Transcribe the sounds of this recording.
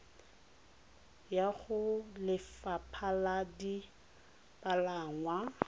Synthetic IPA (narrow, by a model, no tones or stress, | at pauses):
jaχʊlɪfapʰaladi | palaŋwa